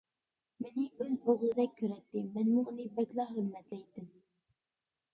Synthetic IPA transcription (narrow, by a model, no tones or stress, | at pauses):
mɪnɪbøzoʁlˠɨd̪ɛk̚ʲkʲʰːøɾɛt̪ːɪmɛnmʊunɨbɛkʲlˠɑχɵɾmɛt̪lɛjt̪ːɪm